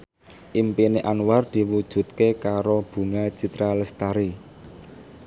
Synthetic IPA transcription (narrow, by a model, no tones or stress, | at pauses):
ʔimpineʔanward̪̥i̤wud̥ʒ̥ṳt̪̚kekaɾob̥ṳŋḁt͡ʃit̪ɾaləst̪aɾi